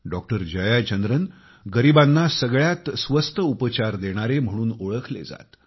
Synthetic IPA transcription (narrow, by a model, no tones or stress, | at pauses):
ɖɔk̚ʈəɾd͡ʑəjat͡ɕənd̪ɾən | ɡəɾibanːasəɡɭjat̪sʋəst̪ʰəupət͡ɕaɾd̪eɽ̃aɾem̤əɽ̃uːnoɭəkʰlḛd͡za̰t̪